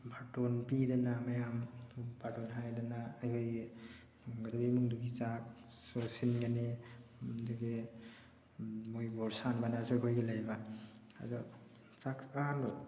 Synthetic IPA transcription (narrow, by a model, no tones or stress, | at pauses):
bʱatɔnpidanamajambaʈɔnɦajdanaːjɦojɡ | ŋɡadabimuŋduɡit͡ʃak̚ | sɔsinɡane | dɯɡe | mujbɔɾsanbanasɔjkʰojɡelajba | a̰dɔ | t͡ʃakaanɔ